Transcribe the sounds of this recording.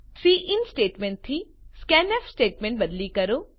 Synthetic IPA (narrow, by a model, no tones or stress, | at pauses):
siːʔɪnsʈeːʈmẽɳʈ̚t̪ʰːiskɛnefsʈeːʈmẽɳʈ̚bɐd̪likɐɾo